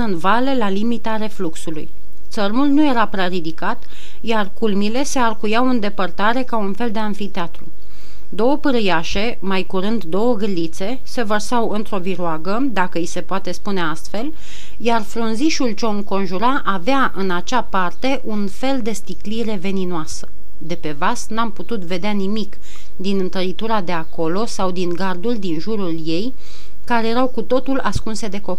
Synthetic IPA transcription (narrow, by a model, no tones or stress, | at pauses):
ɨnvale̞lalimit̪aɾe̞fluksulṵj | t̪sərmulnuje̞ɾapɾaɾid̪ikat̪ | jarkulmile̞se̞arkujawɨnd̪e̞pərt̪aɾe̞kaunfe̞ld̪e̞anfit̪eat̪ɾu | d̪o̞wəpɨɾɨjaʃe̞ | majkuɾɨnd̪ːo̞wəɡɾilit̪se̞ | se̞vərsawɨnt̪ɾo̞viɾoaɡəd̪akəise̞poat̪e̞spune̞ast̪fe̞l | jarfɾunziʃult͡ʃo̞ŋko̞nʒuɾaʔaveaʔɨnat͡ʃapart̪e̞ʔunfe̞ld̪e̞st̪ikliɾe̞ve̞ninoasə̥ | d̪e̞pe̞vasnamput̪ut̪ve̞d̪eanimik | d̪inɨnt̪əɾit̪uɾad̪e̞ako̞lo̞sawd̪iŋɡard̪ulʲd̪inʒuɾulje̞j | kaɾejeɾawkut̪o̞t̪ulaskunse̞d̪e̞ko̞p